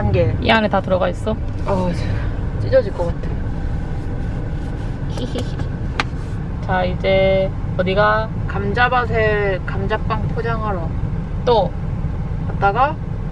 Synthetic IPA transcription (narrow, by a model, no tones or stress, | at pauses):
anɡeḭanɯtatɯɾʌɣais͈ʌat͡ɕet͡ɕ͈id͡ʑʌd͡ʑiɭk͈ʌk͈atʰe | t͡ɕaid͡ʑe | ʌdiɡa | kamd͡ʑabasʰekamd͡ʑap͈aŋpʰod͡ʑaŋaɾʌ | t͈o | kat̚t͈aɡa